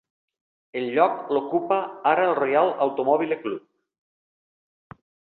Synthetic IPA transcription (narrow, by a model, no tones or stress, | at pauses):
elʎɔklokupaaɾaelˠrejalˠawt̪omɔβileklup̚